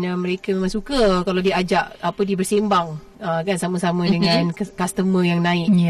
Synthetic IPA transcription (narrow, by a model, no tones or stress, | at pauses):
nəməɾekamemãŋsukakalawdiəad͡ʒaʔapədiəbərsembaŋ | əkansaməsamədəŋankast̪əməjaŋnaɪk̚